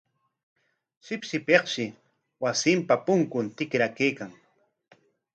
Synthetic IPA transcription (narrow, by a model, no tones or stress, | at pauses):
ʃɪpʃɪpeqʃɪ | wasɪmpapʊŋkʊnt̪ɪkɾakejkaŋ